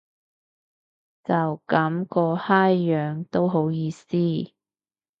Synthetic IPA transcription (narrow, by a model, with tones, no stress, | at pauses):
t͡sɐ˨wkɐ˨˥mkɔː˧haː˥jːœː˨ŋt̪o˥wɦo˨˥wjiː˧siː˥